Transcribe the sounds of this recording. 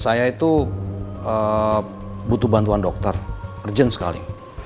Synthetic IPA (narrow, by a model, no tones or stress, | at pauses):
sajait̪u | ə | but̪ubant̪uandɔk̚t̪ərərd͡ʒənsə̥ka̰lḭ